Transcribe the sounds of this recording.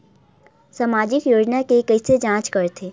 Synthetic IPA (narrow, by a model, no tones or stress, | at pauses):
saːmaːd͡ʒɪkjoːd͡ʒnakekəised͡ʒãːt͡ʃkəɾt̪ʰe